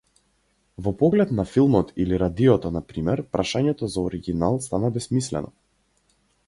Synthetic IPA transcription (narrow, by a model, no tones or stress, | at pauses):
vɔpɔɡlɛt̪nafilˠmɔt̪iliɾad̪iɔt̪ɔnapɾimɛɾpɾaʃaɲɛt̪ɔzaɔɾiɡʲinalˠst̪anabɛsmislɛ̰nɔ